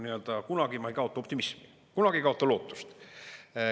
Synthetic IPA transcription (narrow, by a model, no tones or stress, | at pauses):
niø̞ld̪̥ɑkunɑɡ̥imɑejkɑo̞t̪ːˑɑop̚t̪imismi | kunɑɡ̥iejkɑo̞t̪ːˑɑlo̞ːt̪ːˑu̥st̪